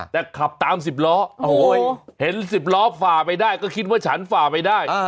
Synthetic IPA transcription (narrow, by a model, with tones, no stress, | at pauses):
t̪ɛː˨˩kʰa˨˩p̚t̪aː˨˧ms̬i˨˩p̚lɔː˦˥˧ | he˩˦nsi˨˩p̚lɔː˦˥faː˨˩pa˧jdaː˥˩jkɔː˥˩kʰi˦˥t̪̚waː˥˩t͡ɕʰa˦˥nfaː˨˩pa˧jdaː˥˩j